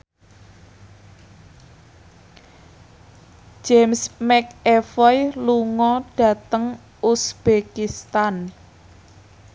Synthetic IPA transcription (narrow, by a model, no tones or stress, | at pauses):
d͡ʒemsmɛk̚ɛfɔjluŋɔɖ̥a̤t̪əŋ | usb̥ekist̪an